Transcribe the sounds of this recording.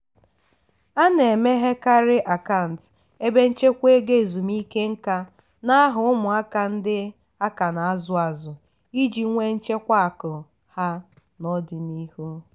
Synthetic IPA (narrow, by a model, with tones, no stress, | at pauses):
a˦ne˨me˦ɦe˦ka˦ɾɪ˦ʔa˨ka˦˨n̩˨t | e˦be˦n̩˦t͡ʃe˦kʷe˦ɡe˦˨zu˨mi˦ke˦ŋ̩˦ka˦ | na˦a˦ɦʊ˨ʊ˦mʊ˨a˦ka˨n̩˦dɪ˦ | a˦ka˨na˨a˦zʊ˨a˨zʊ˨ | i˦d͡ʒi˨˦ŋʷe˦n̩˦t͡ʃe˦kʷa˦a˨kʊ˨ | ha˦ | nɔ˦dɪ˨ni˦hu˦